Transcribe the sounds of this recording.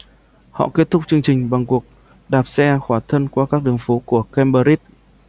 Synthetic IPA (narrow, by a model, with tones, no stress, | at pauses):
hɔ̰˧˨ke˦˥t̚t̪ʰʊ˦˥k͡p̚t͡ɕɨ˧əŋt͡ɕï˨˩ŋ̟ɓa˨˩ŋku˨˩ək̚ | ɗaː˨˩p̚sɛ˧xwaː˧˩t̪ʰə˧nkwaː˧kaː˦˥k̚ɗɨ˨˩əŋfo˨˦ku˧˩əkɛ˧mɓəː˧ɾi˦˥t̚